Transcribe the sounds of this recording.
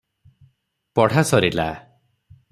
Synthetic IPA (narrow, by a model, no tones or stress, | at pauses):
pɔɽ̤asɔɾila̰